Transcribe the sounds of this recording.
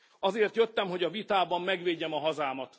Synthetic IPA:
ɒzeːrt̪jøt̪ːɛmɦo̞ɟɒvit̪aːbɒmːɛɡʋeːɟːɛmɒɦɒzaːmɒt̪

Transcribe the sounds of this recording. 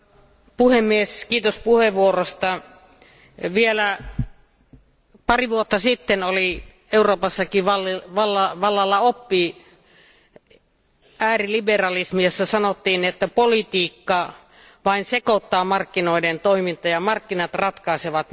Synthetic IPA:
puhemːieskiːt̪ospuheʋʋuorost̪ɑ | ʋielæ | pɑriʋuot̪ːɑsit̪ːenoli | euroːpɑsːɑkiʋɑlʋɑlːɑʋɑlːɑlːɑopːi | æːriliberɑlismijosːɑsɑnot̪ːiːnet̪ːæpolit̪iːkːɑ | ʋɑinsekot̪ːɑːmɑrkːinoident̪oimint̪ɑjɑmɑrkːinɑt̪rɑt̪kɑiseʋɑt̪

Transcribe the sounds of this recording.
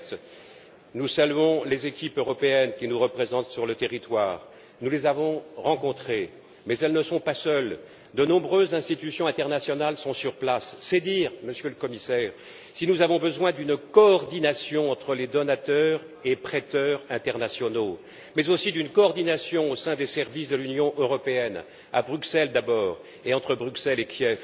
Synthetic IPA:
t̪ | nusalyɔ̃lezekʲipøʁɔpeɛnkʲinuʁəpχezɑ̃t̪syʁlət̪eʁit̪waːʁ | nulezavɔ̃ʁɑ̃kɔ̃t̪χe | mɛzɛlnəsɔ̃pasœl | d̪ənɔ̃bʁøzːɛ̃st̪it̪ysjɔ̃ɛ̃t̪ɛʁnasjɔnalsɔ̃syʁplasːɛd̪iʁməsjøləkɔmisɛːʁ | sinuzavɔ̃bəzwɛ̃d̪ynkɔːʁd̪inasjɔ̃ɑ̃t̪χəled̪ɔnat̪œʁ | epχɛt̪œʁɛ̃t̪ɛʁnasjɔno | mɛzosid̪ynkɔːʁd̪inasjɔ̃osɛ̃d̪esɛʁvisd̪əlynjɔ̃ʔøʁɔpeɛn | a̰bʁyksɛld̪abɔːʁ | eɑ̃t̪χəbʁyksɛlekʰʲjɛf

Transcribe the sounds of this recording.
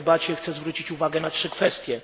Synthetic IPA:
bat͡ɕɛxt̪sɛzvɾut͡ɕit͡ɕuvaɡɛnatʂɘkfɛst̪ʲjɛ

